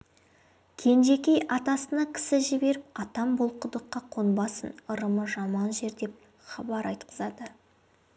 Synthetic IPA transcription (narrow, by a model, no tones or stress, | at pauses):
kʲʰe̞nʒe̞kʲe̞jɑt̪ɑsənɑkʲʰɪ̥sɪʒɪbe̞ɾɪp̚ɑt̪ɑmbolˠqʊd̪əqːɑqʰonbɑsənəɾəməʒɑmɑnʒe̞ɾd̪e̞p̚ | χɑbɑɾɑjt̪qəzɑd̪ə